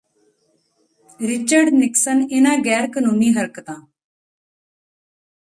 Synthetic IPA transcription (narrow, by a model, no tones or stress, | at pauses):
ɾɪt͡ʃəɾɖnɪksənɪnãːɡɛːɾkənuːniːɦəɾkət̪ãː